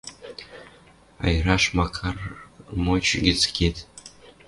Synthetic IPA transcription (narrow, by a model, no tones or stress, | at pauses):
ɑ̰jɾɑʃmɑkʰɑrmot͡ɕɡʲet͡skʲʰet̪